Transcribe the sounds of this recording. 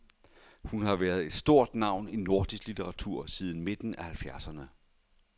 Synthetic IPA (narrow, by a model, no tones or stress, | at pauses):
hunhɑ̈ʋæɐð̞̩ˠe̝d̥sd̥o̝ɐ̰d̥nɑ̈ʊ̰nino̝ɐd̥isɡ̥lit͡sʰeʁɑ̈t͡sʰuɐ̰sið̞ˠn̩me̝d̥n̩æhælfjæɐsɐnə